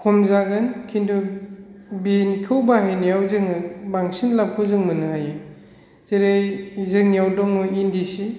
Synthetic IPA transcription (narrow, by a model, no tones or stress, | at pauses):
kʰɔmzaɡɯnkʰindu | binikʰɯwbaɦejnijawzɯŋɯbaŋsinlap̚kʰɯwzɯŋmɯnɯhaje | z̥eɾejzɯŋjawdɔŋɔjindisi